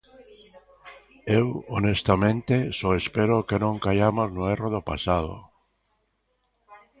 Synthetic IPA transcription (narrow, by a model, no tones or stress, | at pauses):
ewonest̪amẽnt̪esɔespeɾokenõŋkajamoznʊeroðopasað̞o̰